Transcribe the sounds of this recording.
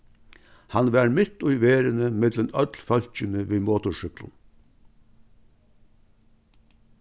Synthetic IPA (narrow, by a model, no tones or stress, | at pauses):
hɑnʋæːɾmɪt̪ʊʏʋeːɾənəmɪd̪lənœd̪lfœlçənəʋiːmoːt̪ʊʃʏklʊ̰n